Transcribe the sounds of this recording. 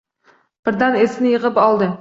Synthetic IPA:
b̥ɪɾd̪ænesɪnɪjɨʁɨpɑlˠd̪ɨ

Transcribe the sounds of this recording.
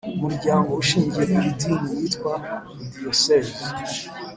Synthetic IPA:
umuɾɟaːŋɡouʃiːɲɟijeiɾidiːnijitkwamudiosez

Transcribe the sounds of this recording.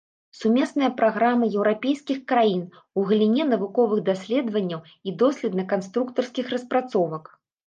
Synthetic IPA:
sumʲɛsnɐjɐpɾaɣɾamɨjɛwɾapʲejskʲixkɾajin | uɣlʲinʲɛnɐvukɔvɨɣd̪asʲlʲɛd̪vɐnʲːɐw | id̪ɔsʲlʲɛt̪nɐkanst̪ɾukt̪ɐrskʲixrɐspɾat̪sɔvɐk

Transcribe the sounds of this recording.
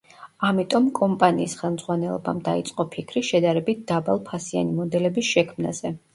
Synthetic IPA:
amit̪ʼɔmkʼɔmpʼaniːsχɛlˠmdzʁwanɛlˠɔ̰ba̰md̪ait̪sʼqʼɔpʰikʰɾiʃɛd̪aɾɛbit̪̚ʰd̪abalˠpʰasia̰nimɔd̪ɛlɛbisʃɛkʰmna̰z̥ɛ

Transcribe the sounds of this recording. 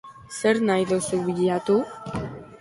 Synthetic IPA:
seɾnajðosuβiʎiat̪u

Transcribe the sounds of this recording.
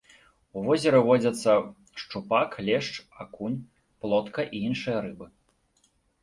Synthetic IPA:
uvɔzʲɛɾɨvɔd͡zʲɐt̪sːɐ | ʂt͡ʂupaklʲɛʂt͡ʂakunʲ | plˠɔt̪kɐʔiinʂɨjɐɾɨbɨ

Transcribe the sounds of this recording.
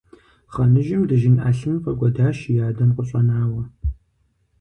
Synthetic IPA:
χɐnɨʒɪmdɨʒɪnʔaːɬɨmpʰɐkʷʼɔdaːʃjaːdɐmqʷʼʊɕʼɐnaːwɐ

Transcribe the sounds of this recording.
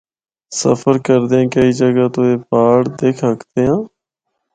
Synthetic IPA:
sə̰pʰəɾkəɾd̪eːãːkəiːd͡ʒəɡaːt̪õːeːpaːɽd̪eːkʰəkt̪eːãː

